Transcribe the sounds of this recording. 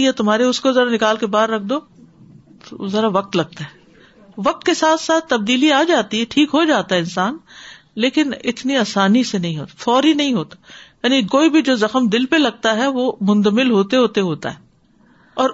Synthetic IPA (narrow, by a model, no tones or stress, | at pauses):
jet̪ʊmɦaːɾeʊskozɐɾanɪkaːlkebaːɾːɐk̚ʰd̪oː | zɐɾaʋɐk̚t̪lɐɡ̚t̪aɦɛ | ʋɐk̚t̪kesaːt̪ʰsaːt̪ːɐb̚d̪iːliaːd͡ʒaːt̪iɦɛʈʰiːkɦod͡ʒaːt̪aɦɛɪnsaːn | leːkɪnɪt̪niaːsaːnisenɐɦĩɦo̰ːt̪ḁfɔːɾinɐɦĩɦoːt̪ḁjaːnikoːibʱid͡ʒoːzɐxəmd̪ɪlpelɐɡ̚t̪aɦɛʋomʊ̃nd̪əmɪlɦoːt̪eɦoːt̪eɦoːt̪a̰ɦɛː | ɔːɾ